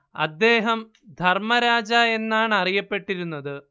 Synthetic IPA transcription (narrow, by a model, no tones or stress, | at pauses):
ɐ̰d̪ːe̞ːɦɐm | d̪ʱɐrmɐɾaːd͡ʑɐe̞nːaːɳɐrijɐpːe̞ʈːiɾunːɐðɨ